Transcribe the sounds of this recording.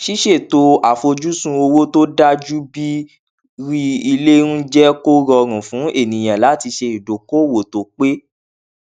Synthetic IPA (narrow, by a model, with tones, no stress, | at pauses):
ʃi˦ʃe˦˨to˧a˨fo˧d͡ʒu˦sũ˦o˧wo˦to˦da˦d͡ʒu˦bi˦ | ɾi˦i˧le˦ɾũ˦d͡ʒɛ˦ko˦ɾɔ˧ɾ̃ũ˨fũ˨˦e˦˨nĩ˨j̃ã˨la˨˦ti˧ʃe˧i˨do˨ko˦˨wo˨to˨k͡pe˦